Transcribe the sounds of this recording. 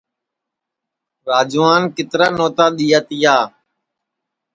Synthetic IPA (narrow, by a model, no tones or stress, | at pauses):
ɾaːd͡ʒːaːnkɪt̪ɾaːnoːt̪aːɗ̪iːaːt̪ɪjaː